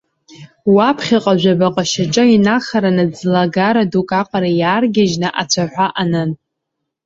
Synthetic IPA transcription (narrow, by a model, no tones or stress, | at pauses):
wapʰχʲaqʼaʒᶣʷabaqʼaʃat͡ʃʼainaχaɾanɨd͡zlaɡaɾadukʼaqʷʼaɾajaːrɡʲaʒnɨʔat͡ɕʷʰaħʷaʔanɨn